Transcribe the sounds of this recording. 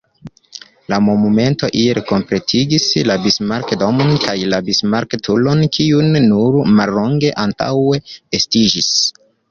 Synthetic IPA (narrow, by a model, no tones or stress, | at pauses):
lamo̞nume̞nto̞ʔieɾko̞mpɾe̞tʰiɡislabismaɾkdomonkajlabismaɾktʰulo̞nkʰiunːuɾmalːo̞ŋɡe̞ʔanta̰we̞estid͡ʒis